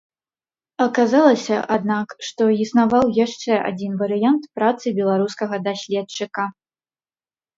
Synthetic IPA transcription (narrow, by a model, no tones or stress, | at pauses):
ɐkazalˠɐsʲɐʔad̪nakʂt̪ɔisnavawjaʂt͡ʂɛa̰d͡zʲinvɐɾɨjant̪pɾat̪sɨbʲɛlˠaɾuskɐɣɐd̪asʲlʲɛt̪t͡ʂɨkɐ